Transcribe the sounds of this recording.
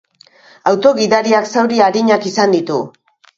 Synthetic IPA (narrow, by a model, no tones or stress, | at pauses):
awt̪o̞ɣiðaɾiaksawɾiaɾiɲakisand̪it̪u